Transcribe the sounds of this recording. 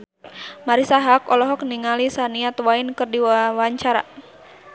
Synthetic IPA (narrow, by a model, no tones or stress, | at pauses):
maɾisaɦakɔlɔɦɔk̚niŋalisaniat̪wainkɨrdiwawaɲt͡ʃaɾa̰